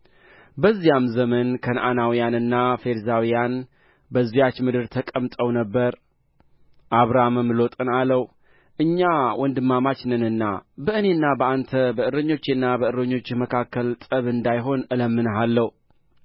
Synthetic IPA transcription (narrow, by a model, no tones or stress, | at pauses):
bəzːijamzəmənkʰənʔanawijanɨnːafe̞ɾzawijan | bəzijat͡ʃːmɨd̪ɨɾt̪ʰəkʼəmt̪ʼəwnəbːəɾ | ʔaβɾamɨmlo̞t̪ʼɨnaləw | ʔɨɲːawɔnd̪ɨmːamat͡ʃnɨnɨnːabəʔɨne̞nːabəant̪ʰəbəɨɾəɲːo̞t͡ʃːnːabəɨɾəɲːo̞t͡ʃːməkʰakːəlt̪ʼəβɨnd̪ajɦo̞nɨləmːɨnəɦalːəhu